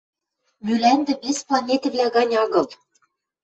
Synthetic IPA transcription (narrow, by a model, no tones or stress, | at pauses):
mylænd̪ɘ̆besplˠɑnʲet̪ɘ̆vlʲæɣɑnʲɑɣɤ̆lˠ